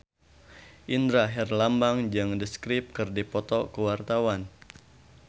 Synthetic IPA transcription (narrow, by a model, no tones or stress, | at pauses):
ʔind̪ɾaɦɛrlambaŋd͡ʒaŋdəskɾip̚kɨrdipɔt̪ɔkəwart̪awan